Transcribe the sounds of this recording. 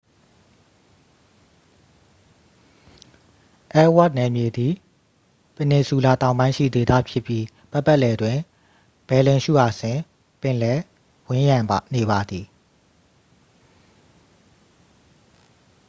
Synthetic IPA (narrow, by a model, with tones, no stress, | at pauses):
ʔɛ˦wa˦t̚nɛ˨mje˨d̪i˨ | pə˨ne˨su˨la˨t̪ã˨ʊ̃mbã˦ɪ̃ʃḭ˦˨d̪e˨d̪a̰˦˨pʰjɪ˦pji˦ | b̥a˦pːɛ˦ʔlɛ˨dwɪ̃˨ | b̥ɛ˨lɪ̃˨ʃṵ˦˨ʔa˨sɪ̃˨ | pɪ̃˨lɛ˦ | wɪ̃˦jã˨mba˨ne˨βa˨d̪ði˨